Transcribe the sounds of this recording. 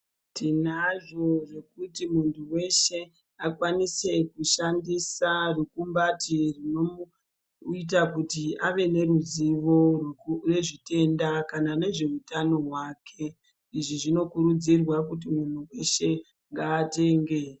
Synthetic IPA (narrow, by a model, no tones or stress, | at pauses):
tinaʐo̞ʐe̞kutimuntʰuwe̞ʃe̞ | akwanise̞kuʃandisarukumbatirino | it̬akutiaʋe̞ne̞ɾuziʋo̞reʐite̞ndakanane̞ʐe̞utano̞ɦwaːkʰe̞ | iʐiʐino̞kuɾud͡zirwakut̬imun̤uwe̞ʃe̞ | ŋɡaːte̞ŋɡe̞